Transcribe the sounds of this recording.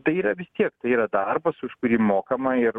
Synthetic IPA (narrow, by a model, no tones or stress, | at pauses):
t̪ɐɪiːɾɐʋʲɪst̪ʲiɛkt̪ɐɪiːɾɐd̪ɐrbɐsʊʃkʊɾʲiːmoːkɐmɐɪɾ